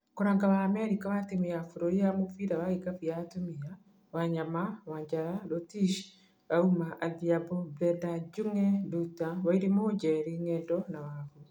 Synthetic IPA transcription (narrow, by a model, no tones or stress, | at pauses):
koɾaːŋɡaβaːmɛɾikawatemiafuɾoɾiamofiɾawaikafijatumia | waɲamawaɲd͡ʒaɾaɾotiʃ | βaumaʔaðiabɔblɛdad͡ʒuŋɛdutawaiɾemod͡ʒɛɾiŋɛːndɔnawaβu